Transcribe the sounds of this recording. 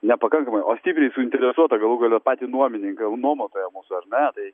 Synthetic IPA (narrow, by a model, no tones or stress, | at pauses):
nʲɛpɐkɐŋkɐmɐɪʔoːsʲt̪ʲipʲɾʲɛɪsʊɪnʲt̪ʲɛɾʲɛsuɔt̪ɐɡɐlˠuːɡɐlʲɛpɑːt̪ʲɪnuɔmʲɪnʲɪŋkɐnuɔmɐt̪oːjɛmuːsʊɐrnʲɛt̪ɐɪ